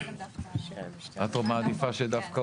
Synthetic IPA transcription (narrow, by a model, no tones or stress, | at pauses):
at̪omad̪ifased̪afka